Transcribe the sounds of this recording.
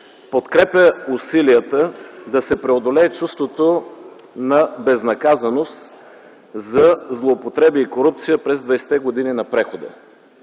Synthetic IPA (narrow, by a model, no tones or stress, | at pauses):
pot̪kɾɛpʲjəusiliət̪əd̪ɐsɛpɾɛod̪olɛːt͡ʃust̪vot̪o | nɐbɛznɐkazɐnost̪ | zɐzlˠoːpot̪ɾɛbiːkoɾup̚t̪sijəpɾɛzd̪vɐsɛ̥t̪ɛɡod̪ininɐpɾɛxod̪ə̰